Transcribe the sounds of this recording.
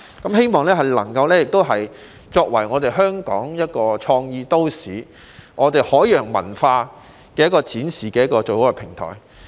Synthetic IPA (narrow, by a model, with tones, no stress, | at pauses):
kɐ˨˦mhe˥jmɔː˨ŋlɛː˥ɦɐ˨jlɐ̰˨˩ŋkɐ˧wlɛː˥jɪ˨k̚t̪o˥wɦɐ˨j | t͡ʃɔː˧k̚wɐ̰˨˩jŋɔː˨˧t̪e˨jɦœː˥ŋkɔː˨˥ŋjɐ˥t̚kɔː˧t͡ʃʰɔː˧ŋjiː˧t̪o˥wsiː˨ | ŋɔː˨˧t̪e˨jhɔː˨˥jjœː˨˩ŋmɐ̰˨˩nfaː˧ | kɛː˧jɐ˥kɔː˧t͡sʰiː˨˥nsiː˨kɛː˧jɐ˥tkːɔː˧t͡so˨who˨˥kɛ˧pʰɪ˨˩ŋt̪ʰɔ̰ː˨˩j